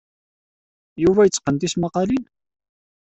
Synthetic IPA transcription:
juvæjət͡sːqənt̪ismɑqɑlin

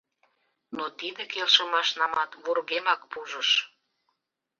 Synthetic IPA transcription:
not̪id̪ekelʃəmɑʃnɑmɑt̪βurɣemɑkpuʒəʃ

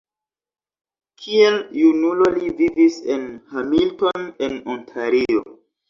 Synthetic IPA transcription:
kʰieljunulo̞livivise̞nhamilto̞ne̞nontʰaɾio̞̰

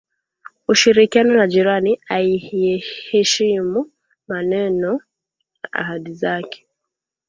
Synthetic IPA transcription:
uʃiɾikianɔnaʄiɾaniaiɛhɛʃimu | manɛnɔ | aʔa̰haɗizakɛ̥

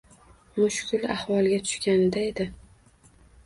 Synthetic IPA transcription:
mʊʃkʲʰʊla̰hwɒlˠɡʲat̪ʰʊ̥ʃkʲanɪd̪aed̪ɪ

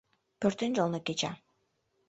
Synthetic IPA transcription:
pøɾt̪ynd͡ʒolˠnakʲet͡ʃa̰

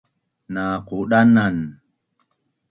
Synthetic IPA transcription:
naquɗanan

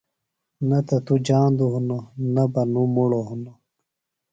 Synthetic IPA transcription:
nɐt̪ɐt̪ud͡ʑaːnd̪uɦunonɐbɐnumuɽoɦuno

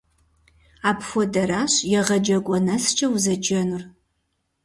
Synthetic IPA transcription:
aːpʰxʷɔdɐɾaːɕjɛʁɐd͡ʒɐɡʷʼɔnɐst͡ʃʰʼɐwzɐd͡ʒɐnur

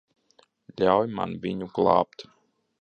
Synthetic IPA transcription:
lʲawjma̰nvʲiɲuɡlˠɑ̰ːpt̪

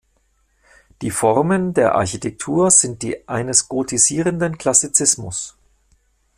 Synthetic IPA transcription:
d̥iːfɔʁməndeːɐʔa̰ɐçitʰɛk̚tʰuːɐz̥ɪnt̚d̥ḭːʔaɪnəsɡ̥otʰiziːʁəndənkl̥asit͡sɪsmʊ̰s

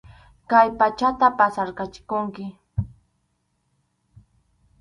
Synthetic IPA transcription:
kajpat͡ʃat̪apasaɾkat͡ʃɪ̥kʊŋkɪ

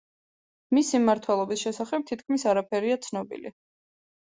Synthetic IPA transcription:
misimːaɾt̪ʰwɛlˠɔbisʃɛsaχɛb̚t̪ʰit̪̚ʰkʰmisaɾapʰɛɾiat̪sʰnɔbḭlḭ

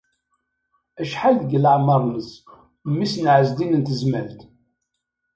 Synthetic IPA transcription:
æʃħaldɡələʕməɾˤnəs | mːisnʕəzd̪inənt̪əzməlt̪

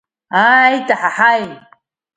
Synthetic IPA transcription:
aajtʼaħaħajn

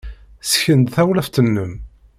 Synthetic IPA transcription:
sçənd̪θæwlæft̪ənːəm

